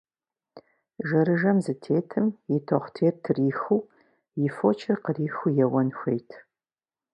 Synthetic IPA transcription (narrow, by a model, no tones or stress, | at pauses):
ʒɐɾɨʒɐmzɨtʰeːtʰɨmjɪtʰoχʷtʰeːrtʰɨriːxuː | jɪfot͡ʃʰɪrqəriːxujɛwɐnxʷejtʰ